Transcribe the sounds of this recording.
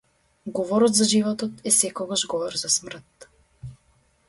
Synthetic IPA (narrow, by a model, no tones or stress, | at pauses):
ɡɔvɔɾɔt̪zaʒivɔt̪ɔt̪ɛsɛkɔɡaʒɡɔvɔɾzasmr̩t̪